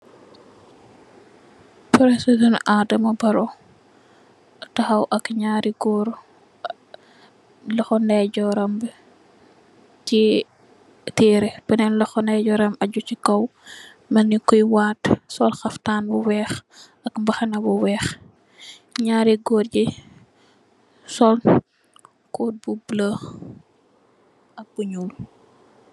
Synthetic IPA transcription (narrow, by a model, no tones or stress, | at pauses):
pɾɛsusunadɐmɐbɐɾɔ | tɐxɐwʔɐkɲaːɾiɡɔːɾ | lɐxɔnɛɟɔɾɐmb | ci | tiːɾɛbɛnɛnlɐxɔnɛɟɔɾɐmɐɟucikɐw | mɐnikujwaːtsɔlxɐftaːnbuwɛːx | ɐkmbɐxɐnɐbuwɛːx | ɲaːɾiɡɔːɾɟi | sɔl | koːt̚bublə | ɐk̚buɲul